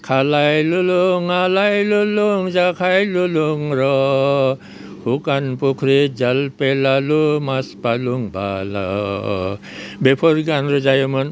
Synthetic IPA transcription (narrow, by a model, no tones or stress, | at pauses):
kʰalajluluŋalajluluŋd͡ʒakʰajluluŋɾɔ | hukanpukʰɾid͡ʒalpelalumaspaluŋba̰la̰ | bepʰɔɾɡanɾɔd͡ʒajəmən